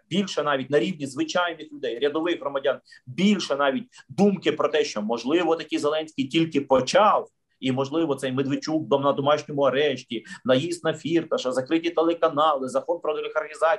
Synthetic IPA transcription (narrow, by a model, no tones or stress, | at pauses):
bʲilʲʃɛnɑʋʲit̚ʲnɐɾʲiwnʲizʋɪt͡ʃɑjnisʲlʲʊd̪ɛjɾʲɐd̪ɔʋɪɣɦrɾɔmɐdʲɑnbʲilʲʃɛnɑʋʲit̚ʲd̪umkɪpɾɔt̪ɛʃt͡ʃɔmɔʒlˠɪʋɔt̪ɐkʲijzelˠɛnʲsʲkʲɪjtʲilʲkɪpɔt͡ʃɑw | imɔʒlˠɪʋɔt̪sɛjmed̪ʋɪt͡ʃʲuk̚bɐmnɐd̪ɔmɑʃnʲɔmʊɐɾɛʃtʲinɐjist̪nɐfʲirt̪ɐʃɐzɐkɾɪtʲit̪elˠekɐnɑlˠɪzɐkɔnpɾɔt̪elʲɪxɐrxʲizɑ